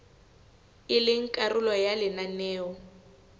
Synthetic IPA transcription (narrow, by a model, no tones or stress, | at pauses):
ɪlɪŋ̩kʼarʊlɔjalɪnanɛːɔ